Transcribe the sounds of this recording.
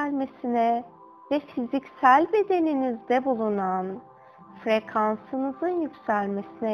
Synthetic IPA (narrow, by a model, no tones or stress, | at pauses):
lʲme̞sinɛ | vɛfizicsælʲbe̞d̪e̞ninizd̪ɛbulˠunan | fɾe̞kʰansɯnɯzɯnjycʲsælʲme̞sinɛ